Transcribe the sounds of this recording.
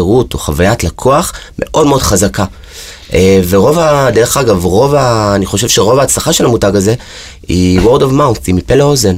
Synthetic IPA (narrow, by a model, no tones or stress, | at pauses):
eʁutoχavajatlakʰoaχmʔe̞̰ʔo̞dme̞o̞dχazaka | eve̞ʁo̞vadeʁeχaɡavʁo̞vaːniχo̞ʃe̞vʃe̞ʁo̞vaːt͡slaχaʃe̞lhamutaɡaze̞ | iwoʁdovmawnθimipeleozen